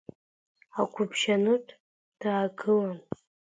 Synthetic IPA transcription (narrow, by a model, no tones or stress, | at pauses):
akʷʰʊpʰʃanɨtʼ | d̥aːɡɨlan